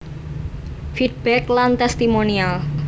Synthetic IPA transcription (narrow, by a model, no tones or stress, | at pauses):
fid̪̚b̥ɛklant̪ɛst̪imonial